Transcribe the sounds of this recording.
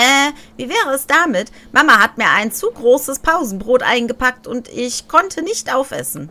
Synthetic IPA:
ʔɛːviːvɛːʁ̞əɛsd̥aːmɪt | mʔamahatmiːɐʔaɪnt͡suːɡʁoːsəspʰaʊzn̩bʁoːtʔa̰ɪnɡəpʰak̚tʊntɪçkʰɔntʰənɪçtʔaʊfʔɛ̰sn̩

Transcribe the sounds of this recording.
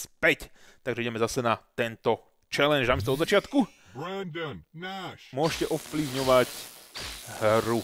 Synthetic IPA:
spɛct̪aɡʒɛiɟɛmɛzasɛnat̪ɛnt̪ɔ | t͡ʃɛlɛnd͡ʒnamɛst̪ɔɔd̪zat͡ʃɪat̪ku | bɾɛnd̪ənnaʃmʊɔʃcɛʔɔfpliʊɲɔʋac | hɾu

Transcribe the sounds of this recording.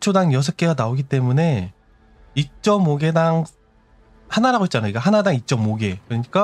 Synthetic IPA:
t͡ɕʰodaŋjʌs̬ʰʌk͈e̞ɡanaoɡit͈e̞mune̞ | it͡ɕ͈ʌmoɡe̞daŋ | hanaɾaɣoit̚t͡ɕ͈anajoik͈aɦanadaŋit͡ɕ͈ʌmoɡe̞kɯʌɲik͈a

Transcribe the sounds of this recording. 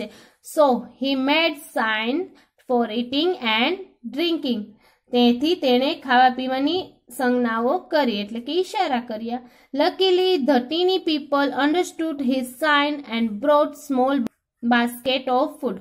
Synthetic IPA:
e | sohimeɖsajn | fɔɾiʈĩŋɡɛɳɖɖɾĩŋkɪ̃ŋɡ | t̪ẽt̪ʰit̪eɽ̃ekʰaʋapiʋani | sə̃ŋɡnaʋokəɾieʈlẽkiːʃaɾakəɾija | ləkilid̪ʱəʈinipiːpələ̃ɳɖəɾsʈuɖɦizsajnɛ̃ɳɖbɾoʈsmɔl | baskeʈɔʋfuɖ

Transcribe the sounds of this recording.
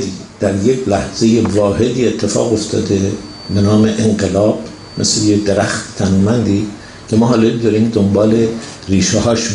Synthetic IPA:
d̪iː | d̪̥æɾjekʰlæhz̥e̞jevɒːhe̞d̪iːe̞t̪ʰːe̞fɒ̰ːɣo̞ft̪ʰɒ̰ːd̪e | be̞nɒːmeʔeŋɢelɒːb̥ | mḛslejed̪eɾæxt̪t̪ʰænmænd̪iː | cʰe̞mɒːɦɒːlɒd̪ɒːɾiːmd̪ombɒːle̞ | riːʃehɒːʃ

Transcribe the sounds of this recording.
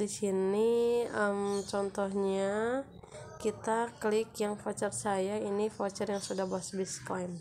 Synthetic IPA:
disiniəmt͡ʃɔnt̪ɔhɲa | kit̪aklɪkjaŋfat͡ʃarsajainifot͡ʃarjaŋsudahboasbisklajm

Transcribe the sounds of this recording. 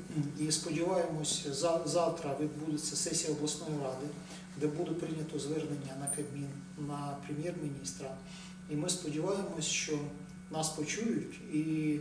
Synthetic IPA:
ispɔdʲiʋɑjemɔsʲzzɑwt̪ɾɐʋʲid̪bud̪et͡sʲːɐsɛsʲijɐɔblˠɐsnɔjiɾɑd̪ɪ | d̪ɛbud̪epɾɪnʲɐt̪ɔzʋɛrnenʲːɐnɐkɐmʲinː | ɐpɾemʲjɛrmʲinʲist̪ɾɐ | imɪspɔdʲiʋɑjemɔsʲʃt͡ʃɔ | nɑspɔt͡ʃujʊtʲi

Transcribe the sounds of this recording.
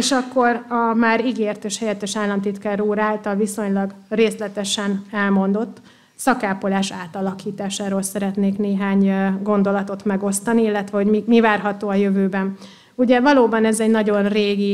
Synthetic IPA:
eʃɒkːo̞ɾɒmaːɾiɡeːrt̪eːʃhɛjɛt̪ːɛʃaːlːɒnt̪it̪kaːɾuːɾaːlt̪ɒlviso̞ɲlɒɡ | reːstlɛt̪ɛʃɛnɛlmo̞nd̪o̞t̪ː | sɒkaːpolaːʃaːt̪ɒlɒkiːt̪aːʃaːɾoːlsɛɾɛt̪neːkneːɦaːɲɡo̞nd̪o̞lɒt̪o̞t̪mɛɡo̞st̪ɒniilːɛt̪ʋɛɦoɟmimivaːrɦɒt̪oːɒjøvøːbɛn | uɟɛvɒloːbɒnɛzɛɟnɒɟo̞nreːɡi

